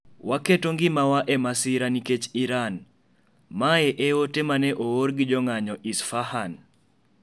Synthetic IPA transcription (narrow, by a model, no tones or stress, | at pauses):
waketoŋɡɪmawaʔemasɪɾaniket͡ʃiɾan | maeʔeotemanɛʔooɾɡɪd͡ʒɔŋaɲɔʔisfahan